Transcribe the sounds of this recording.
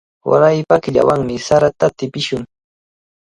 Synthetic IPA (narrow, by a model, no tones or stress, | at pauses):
wa̰ɾajpakɪʎa̰waŋmɪsaɾat̪at̪ɪpɪʃʊŋ